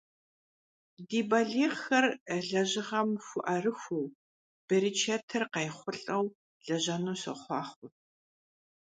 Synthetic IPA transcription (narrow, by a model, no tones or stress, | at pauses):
diːbɐɮiːʁxɐrɮɐʑɪʁɐmxʷʊʔɐrɨxʷʊw | b̥ɐɾit͡ʃʰɐtʰɐrqɐjχʷʊɬʼɐw | ɮ̥ɐʑɐnuːsɐ̰χʷɑːχʷʊ